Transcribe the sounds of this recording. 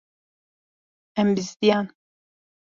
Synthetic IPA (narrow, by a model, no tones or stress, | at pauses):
ɛmbɪzd̪ijaːn